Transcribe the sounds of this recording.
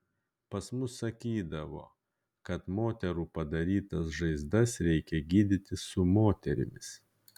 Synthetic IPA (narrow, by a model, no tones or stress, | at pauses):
pɐsmʊsːɐkʲiːd̪ɐʋo̰ː | kɐt̪moːt̪ʲɛɾuːpɐd̪ɐɾʲiːt̪ɐs̬ʒɐɪzd̪ɐsɾʲɛɪkʲɛɡʲiːd̪ʲɪt̪ʲɪsʊmoːt̪ʲɛɾʲɪ̰mʲɪs